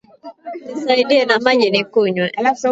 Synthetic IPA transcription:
nisaiɗiɛnamaʄinikuɲwɛ

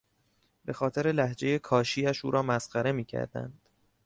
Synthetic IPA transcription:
be̞xɒːt̪ʰe̞ɾe̞læhd͡ʒe̞je̞kʰɒːʃiːæʃuːɾɒːmæsɢæɾe̞miːcʰæ̰ɾd̪æ̰nd̪̥

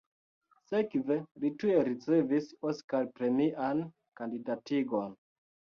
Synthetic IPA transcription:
se̞kve̞litueɾit͡se̞visoskalpɾe̞miʔan | kandidatiɡo̞n

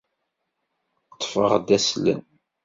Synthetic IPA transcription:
t̪ˤːfə̰ʁd̪æslə̰n

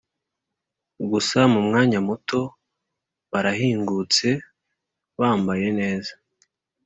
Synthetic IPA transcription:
ɡusamumŋaːɲamuto̞ | βaɾahiːŋɡut͡se̞ | βaːmbaje̞ne̞ːza

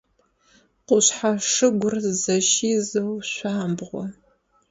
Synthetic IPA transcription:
qʷʊɕħaʂɨɡʷʊrzɐʃiːzɨwɕʷaːmbʁʷɔ

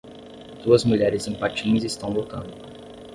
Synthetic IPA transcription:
d̪̥uɐzmuʎɛɾɪzĩpat͡ʃĩɲɐzist̪ɐ̃w̃lok̪ɐ̰̃nd̪ʊ

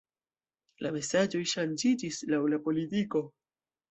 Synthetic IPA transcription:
lʔame̞sad͡ʒo̞jʃand͡ʒid͡ʒislawlapo̞litiko̞

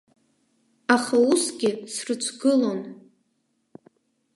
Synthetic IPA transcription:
aχausɡʲɪsrɨt͡ʃʷʰɡɨlo̞n

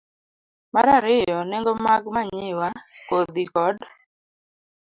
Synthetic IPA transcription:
maɾaɾɪjɔnɛŋɡɔmaɡmaɲɪwakod̪ikɔd

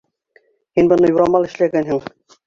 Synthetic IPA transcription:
hinbɤ̆nɤjuɾɑmɑlˠɘ̆ʃlæɡænɦɘŋ

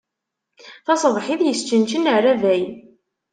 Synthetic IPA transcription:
θɑsˤðˤħiðjəst͡ʃːənt͡ʃənəʕrævæj

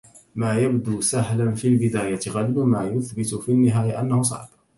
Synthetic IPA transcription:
maːjabd̪uːsaɦlanfiːlbɪd̪aːjat̪ɪɣalbmaːjʊθbɪt̪ʊfiːnːɪɦaːjaʔa̰nːahʊsˤɑ̰ʕb

